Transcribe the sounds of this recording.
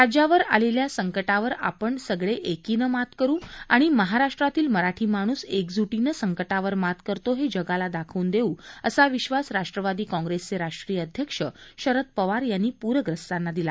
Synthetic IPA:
ɾad͡ʑaʋəɾaleljasəŋkəʈaʋəɾa̰pəɳsəɡɭeʔekinəmat̪kəɾũːa̰ɽ̃iməɦaɾaʂʈɾat̪iːlməɾaʈʰiːmaɽ̃uːsekd͡zuʈinəsəŋkəʈaʋəɾmat̪kəɾt̪oɦed͡ʑəɡalad̪akʰəːnd̪euːəsaʋiɕʋasɾaʂʈɾəʋad̪iːkɔ̃ŋɡɾest͡seɾaʂʈɾijəːd̪ʱjəkʂəɕəɾət̪̚pəʋaɾjanːiːpuɾəɡɾəst̪anːad̪ila̰

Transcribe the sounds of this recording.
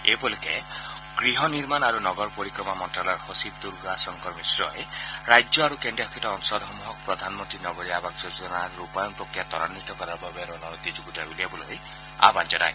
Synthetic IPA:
ebolike | ɡ̥ɾiɦɔniɾmanaɾunɔɡɔɾpoɾikɾɔmamɔnʈɾalɔɾhosibd̪uɾɡɾasɔŋkɔɾmisɾɔeɾajd͡ʒjɔaɾukendɾiɔkʰitɔɔnɔsɔlɔɦɔmuɦɔkɔpɾɔd̪ʱanmɔnt̪ɾinɔɡɔɾiabaksud͡ʒɔnaɾupajɔnpɾɔkɾijat̪ɔɾanːit̪ɔkɔɾaɾbabeɾɔnɔɾɔt̪id͡ʒuɡutauliebɔloɾi | a̰band͡ʒɔda̰j

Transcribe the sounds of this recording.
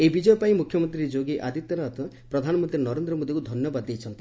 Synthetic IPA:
ebid͡ʒɔjpaĩmukʰjɔmɔnt̪ɾiɾid͡ʒoɡiʔad̪ʱit̪ɔnat̪ɔ | pɾɔd̪ʱanɔmɔnt̪ɾinɔɾend̪ɾɔmod̪ikud̪ʱɔnjɔbad̪ːejt͡ʃʰɔnt̪i

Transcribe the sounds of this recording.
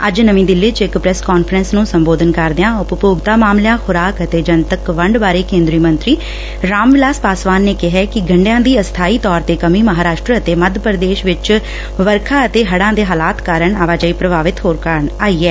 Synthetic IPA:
əd͡ʒnəmĩːd̪ɪlːɪt͡ʃɪkpɾɛːskɔːnpʰəɾənsnũːsəmboːd̪ənkəɾd̪ɪãːʊpəpoːɡt̪aːmaːmljãːxʊɾaːkət̪eːd͡ʒənt̪əkʋəɳɖbaːɾeːkẽːnd̪ɾiːmənt̪ɾiː | ɾaːmʋɪlaːspaːsʋaːnːeːkɪɦɛːkɪɡʱəɳɖejãːd̪iːəst̪ʰaːiːt̪ɔːɾt̪eːkəmiːməɦaːɾaːʃʈɾəət̪eːməd̪ʱpəɾd̪eːʃʋɪt͡ʃ | ʋəɾkʰaːət̪eːɦəɽãːd̪eːɦaːlaːt̪kaːɾəɳaːʋaːd͡ʒaːiːpɾəbaːʋɪt̪ɦoːɾkaɾəɳaːiːɛː

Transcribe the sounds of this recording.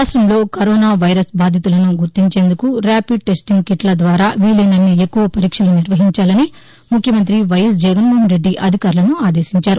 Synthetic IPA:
sʃɐmlo̞ːkɐɾoːnaːʋɐjɾɐsbaːd̪ʱjit̪ulɐnuɡuɾt̪iɲt͡ʃe̞ːnd̪ukuɾaːpiɖ̚ʈe̞sʈiŋɡkiʈlɐd̪ʋaːɾaːʋiːlinɐnːiekːuʋɐpɐɾiːkʂɐluniɾʋɐɦiɲt͡ʃaːlɐni | mukʰjɐmɐnt̪ɾiʋɐjɐsd͡ʒɐɡɐnmoːɦɐnɾe̞ɖːiʔɐd̪ʱikaːɾlɐnuaːd̪e̞ːsiɲt͡ʃaːɾu

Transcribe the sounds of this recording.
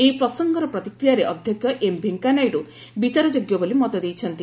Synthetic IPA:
eipɾɔsɔŋɡɔɾɔpɾɔt̪ikɾijaɾeʔɔd̪ʱjɔkjɔʔembʱeŋkanajɖu | bit͡ʃaɾɔd͡ʒoɡjɔbolimɔt̪ɔd̪ejt͡ʃʰɔnt̪i

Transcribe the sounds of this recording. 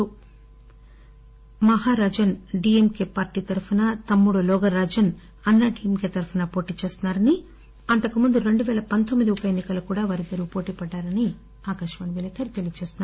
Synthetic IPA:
u | mɐɦaːɾaːd͡ʒɐnɖiemkeːpaːɾʈiːt̪ɐɾupʰunɐt̪ɐmːuɽulɔːɡɐɾaːd͡ʒɐn | ɐnːɐʈiːemkeːt̪ɐɾupʰunɐpo̞ːʈiːt͡ʃe̞ːst̪unːaːɾɐni | ɐnt̪ɐkumund̪uɾe̞ɳɖuʋɛːlɐpɐnt̪omːid̪iupɐjenːikɐlɐkuːɽaːʋaːɾid̪ɐɾupo̞ːʈiːpɐɖːaːɾɐni | aːkɐʃɐʋɐniʋelɐt̪ʰɐːɾit̪e̞lijɐt͡ʃeːst̪unːaɾ

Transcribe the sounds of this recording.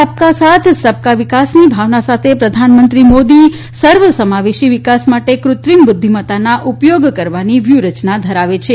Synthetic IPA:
əp̚kasat̪ʰsəp̚kaʋikasnibʱaʋnasat̪ʰepɾəd̪ʱanmənt̪ɾimod̪i | səɾʋəsəmaʋeʃiʋikasmaʈekɾʊt̪ɾimbʊd̪ʱːimət̪anaʔupjoɡkəɾʋaniʋjuɾət͡ʃnad̪ʱəɾaʋet͡ʃʰe

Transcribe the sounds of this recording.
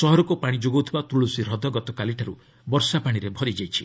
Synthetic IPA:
sɔɦɔɾɔkupaɽ̃id͡ʒoɡwt̪ʰibat̪ɾuɭusiɾɔd̪ʱɔɡɔt̪ɔkaliʈʰaɾu | bɔɾsapaɽ̃iɾebʱɔɾid͡ʒajt͡ʃʰi

